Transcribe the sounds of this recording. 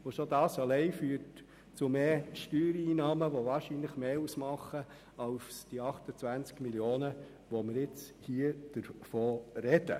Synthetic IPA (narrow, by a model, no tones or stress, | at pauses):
oʃodɑːsɑlɛɪfyːt | t͡sʊmeːʃtyːɾiːnɑːməʋɔʋɑːɾʃinləχmeːusmɑχːə | ɑʊfsd̥iɑχtət͡sʋænt͡skmiljoːnə | ʋɔməɾɪt͡shiəd̥əɾfoːɾɛd̥ə̰